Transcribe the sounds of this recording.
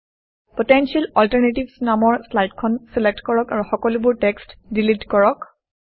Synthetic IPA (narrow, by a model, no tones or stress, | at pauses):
pɔtensialɔltaɹnetibsnamɔɹslajtkʰɔnselek̚tkɔɹɔkaɹuxɔkɔlubuɹtɛkstdilidkɔɹɔk